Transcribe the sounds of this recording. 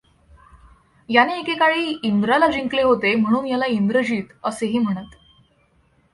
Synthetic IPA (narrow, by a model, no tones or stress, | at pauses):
janeːkekaɭiːind̪ɾalad͡ʑiŋkleɦot̪em̤əɽ̃uːnjalaind̪ɾəd͡ʑiːt̪əseɦiːm̤əɽ̃ət̪